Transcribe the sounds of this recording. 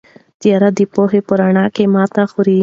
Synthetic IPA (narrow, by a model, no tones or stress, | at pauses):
t̪ijaɾad̪ipoɦepoɾaɳakemaːt̪axuɾi